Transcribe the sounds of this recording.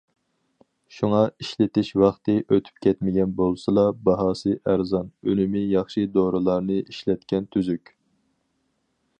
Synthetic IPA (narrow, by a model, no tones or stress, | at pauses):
ʃuŋɑiʃlɪt̪ɪʃwɑχt̪ɨʔøt̪ʰy̥p̚kʲʰɛt̪mɪɡʲɛnbolˠsɨlˠɑbɑɦɑːsɨʔæɾzɑnølɪmɪjɑχʃid̪oɾɨlˠɑɾnɨʔiʃlɛt̪kʲɛnt̪ʰyzykʲ